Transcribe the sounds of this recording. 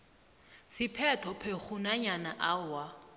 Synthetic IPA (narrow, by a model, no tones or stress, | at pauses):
sɪpʰɛtʰɔpʰeχunaɲanaʔawa